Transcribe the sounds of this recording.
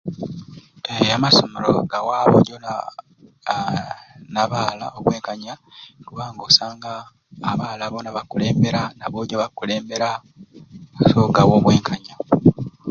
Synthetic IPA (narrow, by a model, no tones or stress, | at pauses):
ejamasomeɾo̰ɡawaːβo̰ɟon | naβaːla̰oβwe̞ːŋkaɲakuβaːŋɡoːsaːŋɡaː | βaːlaβonaβakule̞ːmbe̞ɾanaβoɟoβakule̞ːmbe̞ɾa | soɡawoβwe̞ːŋkʰaɲa